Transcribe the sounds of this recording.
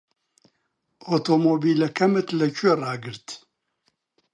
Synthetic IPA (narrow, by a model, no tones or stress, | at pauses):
ot̪ʰomobilɐkʰɐmɨt̪ʰlɐt͡ʃʰʼuɛraːɡɨɾt̪ʰ